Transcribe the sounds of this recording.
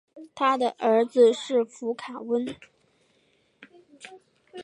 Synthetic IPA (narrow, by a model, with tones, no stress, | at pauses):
t̪ʰa˥d̪ə˨ʔə˞˧˥d͡zɹ̩˧ʂɻ̩˥˩fu˧˥kʰa˨˩wə˥n